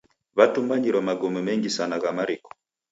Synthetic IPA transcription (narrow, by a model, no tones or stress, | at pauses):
βatumbaɲiɾɔmaɡɔmɛmɛŋɡisanaɣamaɾikɔ̥